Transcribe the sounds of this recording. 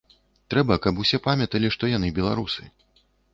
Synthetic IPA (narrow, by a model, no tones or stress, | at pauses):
t̪ɾɛbɐkɐpusʲɛpamʲɐt̪ɐlʲiʂt̪ɔjan̪ɨbʲɛlˠa̰ɾusɨ̰